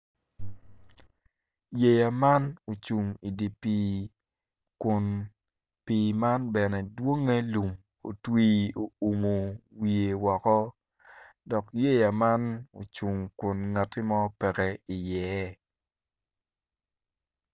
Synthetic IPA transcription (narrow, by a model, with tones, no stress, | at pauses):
je˦˨ja˨ma˦no˨t͡ʃu˨ŋi˨di˨pi˨ | kʊ˨n | pi˨ma˦nbɛ˨nɛ˨dwo˦ŋe˦lu˨m | o̰˨twiː˦o˨u˨mo˨wi˨e˨wɔ˨kɔ˦ | dɔ˨kje˦ja˨ma˦no̰˨t͡ʃu˨ŋkʊ˨nŋa˨tːi˦mɔ˦pɛ˨kɛ˦i˨jɛ˨˦